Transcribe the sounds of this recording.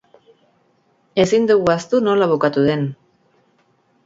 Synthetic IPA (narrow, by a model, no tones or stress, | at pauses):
e̞sind̪uɣuast̪uno̞laβ̞ukat̪uðe̞n